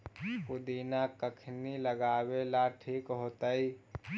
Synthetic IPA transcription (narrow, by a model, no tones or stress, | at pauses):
kʊd̪iːnakəkʰniləɡaːwelaʈʰiːkɦoːt̪əi